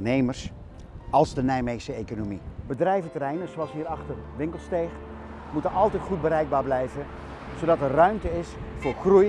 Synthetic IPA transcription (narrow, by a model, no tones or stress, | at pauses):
nejməɹs | ɑlˠzdənɛjmejsəejkonomibədrɛjvətəɾɛjnəzoɑlˠsɦiːɾɑχtərʋɪŋkəl̩ˠstejχ | mutənɑlˠtɛjtχud̚bəɾɛjɡ̚baːɹblɛjvə | zowdɑtərœɥmtəɪsfʊːɹχruj